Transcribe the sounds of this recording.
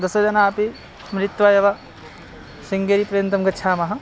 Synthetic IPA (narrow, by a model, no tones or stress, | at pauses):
d̪ɐsɐd͡ʒɐnaːpi | mɾit̪ʋajɐʋa | siŋɡeɾipɾɐjɐnt̪ɐmkɐt͡ʃʰaːmɐɦɐ̃